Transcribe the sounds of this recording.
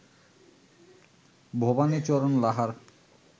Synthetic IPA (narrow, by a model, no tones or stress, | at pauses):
bʱobanit͡ɕɔɾonlaɦaɾ